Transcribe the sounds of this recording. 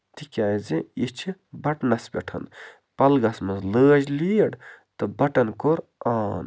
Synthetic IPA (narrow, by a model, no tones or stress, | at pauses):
t̪ikʲaːjzĩit͡ʃʰibɐʈnɐsbʲeʈʰɐ̰n | pɐlɡɐsmɐzləːd͡ʒliːɽt̪ɨbɐʈɐnkoɾaːn